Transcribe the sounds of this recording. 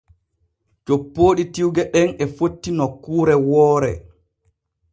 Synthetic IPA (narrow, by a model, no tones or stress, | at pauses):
d͡ʒopːoːɗitiwɡɛɗɛnɛfotːinɔkːuːɾɛwɔːɾɛ̰